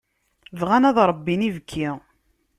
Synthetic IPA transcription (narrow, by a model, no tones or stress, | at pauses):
vʁænæðɾˤəbːinivəkʰːi